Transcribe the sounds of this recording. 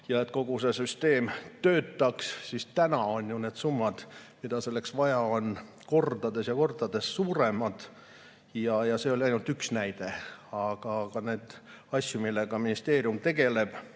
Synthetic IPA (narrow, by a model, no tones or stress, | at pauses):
jɑe̞t̪ko̞ɡ̥use̞syst̪e̞ːmt̪ø̞ːt̪ːˑɑkssist̪ænɑo̞njune̞ːd̪̥sumːɑd̪̥mid̪̥ɑse̞lːe̞ksvɑjɑo̞n | ko̞rd̪̥ɑd̪̥e̞sjɑko̞rd̪̥ɑd̪̥e̞sːuːɾe̞mɑd̪̥ | jɑjɑse̞o̞lʲiɑjnult̪yksnæjd̪̥e̞ɑɡ̥ɑkɑne̞ːd̪̥ | ɑsʲjumilːeɡ̥ɑminist̪e̞ːɾijumt̪e̞ɡ̥e̞le̞b̥